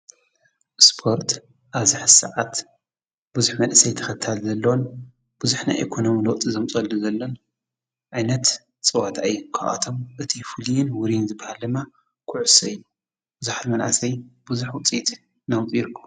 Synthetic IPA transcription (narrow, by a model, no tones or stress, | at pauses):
spʰo̞ɾt̪ | ʔaβziħsɐ̰ʕat̪ | b̥uzuħmɐnʔɨsɐjt̪ʰɐ̥xɐt̪ʰːalzɐlːɐwon | b̥uzuħna̰jʔekʰo̞no̞miloʔt̪ʼizɐmt͡sʼɐlːuzɐlːon | ʕajnɐt̪ | t͡sʼɐwat̪ʰajːukʰa̰ʔa̰t̪ʰo̞mʔɨt̪ʰifɨljɪnwʊɾinzɨbːahaldɨma | kʰʊʕʊsɐj | bɨzuħat̪mɐnʕa̰sɐjb̥uzuħwʊt͡sʼit̪ʼ | nawtʼiɾkʰːɐ